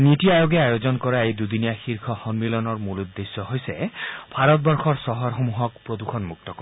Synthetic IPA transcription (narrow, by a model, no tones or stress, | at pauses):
nitiajoɡeajozɔnkɔɾaejd̪ud̪inijaxiɾkʰɔhɔnmilɔnɔɹmulud̪ːesːɔɦojseb̥ʱaɾɔt̪̚bɔɹxʰɔɹsɔɦɔɹxomuɦɔk̚pɹod̪ukʰɔnmuk̚t̪ɔkɔɾ